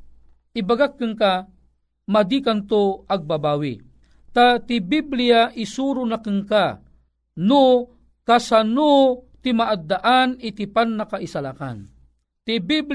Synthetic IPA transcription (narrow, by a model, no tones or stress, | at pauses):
ʔibaɡakːɨŋka | mad̪ikant̪oaɡ̚babaːwḭ | t̪at̪ibibliaʔisuɾunakɨŋka | nu | kasanut̪imaʔad̪ːaʔanit̪ipanːakaisala̰ka̰n | t̪ibib